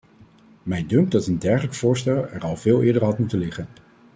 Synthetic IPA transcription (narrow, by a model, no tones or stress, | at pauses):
mɛjndɵŋɡ̚dɑtəndɛɹχələkfʊːɹstɛlˠɛɹɑlˠv̥ɪːlˠɪːɹdəɹɦɑtmutənlɪχən